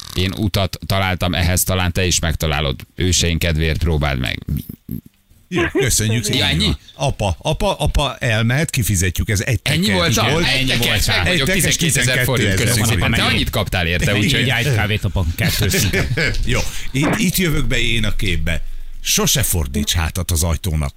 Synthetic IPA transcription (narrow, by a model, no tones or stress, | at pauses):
eːnut̪ɒt̪ːɒlaːlt̪ɒmɛɦɛst̪ɒlaːnt̪ɛiʃmɛkt̪ɒla̰ːlo̞̰d̪øːʃɛjiŋkɛd̪veːrt̪̚proːba̰ːld̪mɛ̰ɡ̥ | joːkøsøɲːyksejoɛɲːiɒpɒɒpɒʔɒpɒɛlmɛɦɛt̪kifizɛcːykɛzɛɟ̚t̪ɛɲːivolt̪olɛɲɛlt̪ɛɔokt̪ɛiɛʃizɛŋzɛɾɛtford̪ikøsɲkseɛt̪ɛɒɲːit̪kɒpt̪aːleːrt̪ɛuoaːjkaːveːt̪ɒpokɛt̪ːøːijoːit̪ːit̪jøvøɡ̚bɛeːnɒkeːbbɛ̰ | ʃo̞ʃɛfo̞̰rd̪iːt͡ʃha̰ːt̪ɒt̪ɒzɒjt̪oːnɒ̰k̚